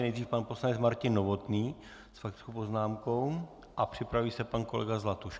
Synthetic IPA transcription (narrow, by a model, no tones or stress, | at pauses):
nɛjdriːfpanpo̞slanɛt͡smaɾcɪnːovo̞t̪niː | sfakt̪ɪ̥t͡skowpo̞znaːmko̞w | ʔapr̝̥ɪpɾaviːsɛpankolɛ̰ɡazlat̪uʃ